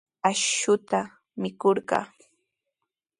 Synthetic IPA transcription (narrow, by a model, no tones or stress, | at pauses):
aʃʊt̪a | mɪkoɾɢɑ̰ː